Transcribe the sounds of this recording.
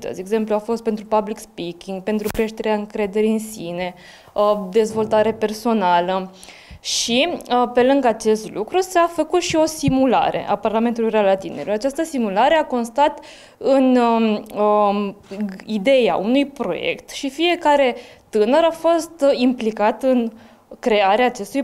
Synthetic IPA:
t̪ə̰zeɡze̞mpluafo̞st̪pe̞nt̪ɾupablikspikʲiŋɡ̚pe̞nt̪ɾukɾe̞ʃt̪e̞ɾeaɨŋkɾe̞d̪e̞ɾiɨnsine̞ | d̪e̞zvo̞lt̪aɾe̞pe̞rso̞nalə | ʃipe̞lɨŋɡat͡ʃe̞st̪lukɾusafəkut̪ʃio̞simula̰ɾʔe̞̰ʔa̰parlame̞nt̪ulujrealat̪ine̞ɾuat͡ʃast̪əsimulaɾe̞ako̞nst̪at̪ | ɨn | ə | id̪e̞ja̰ʔunujpɾo̞̰je̞̰kt̪ʃifie̞kaɾe̞t̪ɨnəɾafo̞st̪implikat̪ɨn | kɾe̞aɾeaːt͡ʃe̞st̪uj

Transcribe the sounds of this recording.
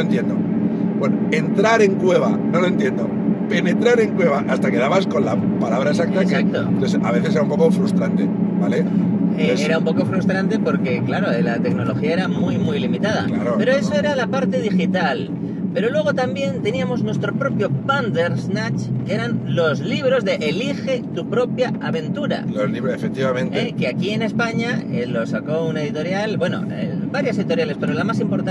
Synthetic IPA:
nont̪je̞nd̪o | bwenoent̪ɾaɾe̞ŋkwe̞β̞a̰noloent̪je̞nd̪o̰ | pe̞ne̞t̪ɾaɾe̞ŋkwe̞β̞aʔast̪ake̞ðaβasko̞nlapalaβɾaesak̚t̪asak̚t̪ont̪oesaβe̞θese̞ɾaumpo̞ko̞fɾust̪ɾant̪e̞bale | eeesɾaumpo̞ko̞fɾust̪ɾant̪e̞po̞ɾke̞klaɾolat̪e̞kno̞lo̞xiaeɾamujmujlimit̪að̞a̰klaɾope̞ɾoe̞so̞e̞ɾalapaɾt̪e̞ðixit̪al | pe̞ɾo̞lwe̞ɣ̞o̞t̪ambje̞nt̪e̞niamo̞znwe̞st̪ɾo̞pɾo̞pjo̞pand̪e̞ɾznat͡ʃe̞ɾanlo̞zliβ̞ɾo̞zðe̞ʔelixe̞t̪upɾo̞pjaaβẽ̞nt̪uɾa̰loliβefek̚t̪iβamẽntekeakie̞ne̞spaɲaḛlo̞sako̞une̞ðit̪o̞ɾjalbwe̞no̰ḛbaɾjose̞ðit̪o̞ɾjale̞spe̞ɾolamasimpo̞ɾt̪a

